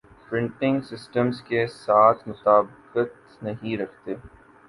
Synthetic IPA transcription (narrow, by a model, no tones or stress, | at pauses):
pɾɪ̃ɳʈɪ̃ŋɡsɪsʈəmzkesaːt̪ʰmʊt̪aːbqət̪ | nɐɦĩɾɐkʰt̪eː